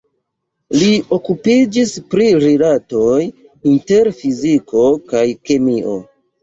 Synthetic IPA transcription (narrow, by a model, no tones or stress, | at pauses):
lio̞kupid͡ʒispɾiɾilato̞j | inte̞ɾfiziko̞kajkemio̞̰